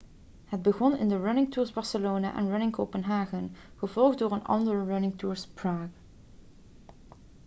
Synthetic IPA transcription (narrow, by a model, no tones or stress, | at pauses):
ɦəd̚bəɣɔnɪ̰ndəɹanɪŋtuːɹzbɑɹsəloːna̰ʔɛ̰nɹanɪŋkoːpənɦaːɣən | χəvɔlˠχtdoːɹənɑ̰ndəɹɹanɪŋtuːɹspɹaːɡ